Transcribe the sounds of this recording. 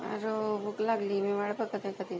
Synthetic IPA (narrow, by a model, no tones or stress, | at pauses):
a̰ɾobuklaɡliːmiʋaɽpəkət̪ekəd̪i